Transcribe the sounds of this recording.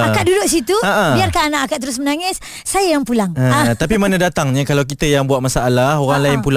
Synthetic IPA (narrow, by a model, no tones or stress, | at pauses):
akaʔ̚dudʊʔsit̪uaʔabiarkananaʔakaʔt̪əɾʊs̬mənaŋɪsː | ajajaŋpulaŋaat̪apimanə̃dat̪aŋɲakalawkit̪əjaŋbuat̪̚masaːlahoɾaŋlaɪnpul